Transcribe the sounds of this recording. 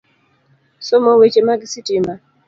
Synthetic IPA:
somowet͡ʃemaɡisitima

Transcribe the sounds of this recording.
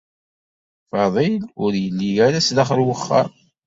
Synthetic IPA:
fɑðˤilʊɾjəlːijæɾæslaχɾwəχːa̰m

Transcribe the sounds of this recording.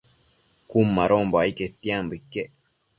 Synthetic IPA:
kumːaɾomboaiket̪ːiambikːeʔ

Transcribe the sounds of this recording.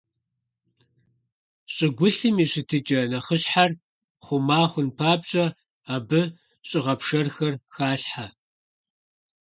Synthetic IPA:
ɕʼɪɡʷʊɬɨmiɕɪtʰɨt͡ʃʼɐnɐχəɕħar | χʷʊmaːχʷʊnpʰaːbɕʼɐ | aːbɨ | ɕʼɪʁɐpʂɐrxɐrxaːɬħa

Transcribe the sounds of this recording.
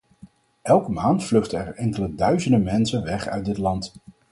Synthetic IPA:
ʔɛlˠkəmaːntflɵχtəɛɹɛŋkələdœɥzəndəmɛnsənʋɛχœ̰ɥ̚dɪtlɑnt

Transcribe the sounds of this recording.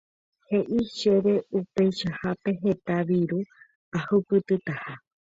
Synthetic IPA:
he̞ʔiʃe̞ɾe̞upe̞jʃahape̞ɦe̞t̪aʋiɾu | ahɨpɨt̪ɨt̪aha

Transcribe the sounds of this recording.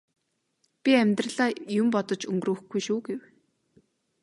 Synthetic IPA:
pʲiæmʲt̪rə̆ɮaːjʊmpɔt̪ɞ̆t͡ɕɵŋɡrɾŭːxɡujʃuːɡew

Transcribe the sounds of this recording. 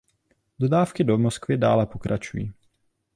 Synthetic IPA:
dodaːfkɪdomoskvɪdaːlɛpokɾʔat͡ʃujḭː

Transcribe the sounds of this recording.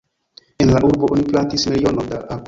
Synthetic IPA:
e̞nlaʔuɾboʔoniplantismilio̞nodaʔa

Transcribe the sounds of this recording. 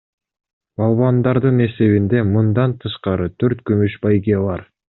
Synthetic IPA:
bɑlˠβɑnd̪ɑɾd̪ɯne̞se̞βind̪e̞mɯnd̪ɑnt̪ʰɯʃqɑɾɯt̪ʰøɾt̪kymyʃbɑjɡeβɑɾ

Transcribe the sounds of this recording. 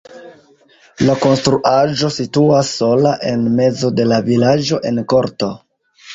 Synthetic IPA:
lako̞nstɾuʔad͡ʒo̞situasːo̞laʔe̞nme̞zo̞de̞lavilad͡ʒo̞ʔe̞nko̞ɾto̞

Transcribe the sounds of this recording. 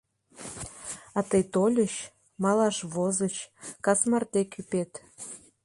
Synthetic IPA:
ɑt̪əjt̪olʲəɕ | mɑlɑʃβozət͡ɕkɑsmɑrt̪ekypet̪

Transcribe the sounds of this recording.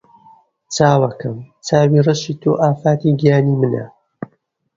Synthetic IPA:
t͡sʰaːwɐkɐmt͡sʰaːwiːrɨʃiːt̪ʰoːʔaːfaːt̪iɡijaːniːmɨnɐ̰

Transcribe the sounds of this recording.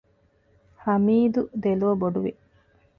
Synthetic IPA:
hɐmiːd̪ud̪eluʋɐboɖuʋḭ

